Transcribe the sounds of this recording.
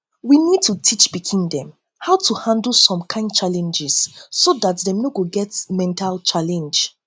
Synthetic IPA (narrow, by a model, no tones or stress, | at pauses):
winid̚tʰutʰit͡ʃbikʰĩndɛ̃m | haʊtʰuhãndl̩sɔ̃mkʰãɪ̃nd̚t͡ʃalɛ̃nd͡ʒɪsːodatdɛ̃mnoɡoɡɛtmɛ̃ntʰalt͡ʃalɛ̃nd͡ʒ